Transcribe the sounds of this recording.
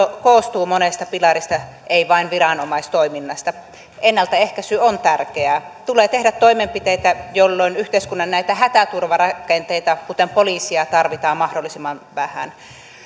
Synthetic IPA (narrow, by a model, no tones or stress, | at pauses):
koːst̪uːmonest̪ɑpilɑɾist̪ɑ | ʔeiʋɑinʋirɑnomɑist̪oiminːɑst̪ɑ | ʔenːælt̪æehkæsyont̪ærkeæt̪uleːt̪ehdæt̪toimempit̪eit̪æjolːoinyht̪eiskunːɑnnæit̪æhæt̪æt̪urʋɑrɑkent̪eit̪ɑkut̪empoliːˑsiɑt̪ɑrʋit̪ɑːmmɑhdolːˑisimːɑnʋæhæ̰n